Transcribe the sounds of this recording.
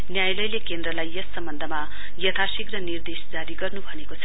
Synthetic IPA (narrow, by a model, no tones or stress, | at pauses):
njajlʌjlekend̪rʌlajːʌsːʌmbʌnd̪ʱʌma | jʌt̪ʰasikrʌnird̪esd͡zaɾiɡʌrnubʱʌnekot͡sʰʌ